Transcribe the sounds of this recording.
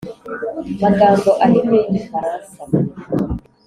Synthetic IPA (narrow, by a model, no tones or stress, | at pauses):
maɡaːmbɔʔalimeɲifaɾansa